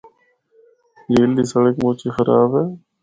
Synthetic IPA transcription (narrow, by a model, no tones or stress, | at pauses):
d͡ʒeːliːsəɽəkmoːt͡ʃiːxəɾa̰ːbɦeː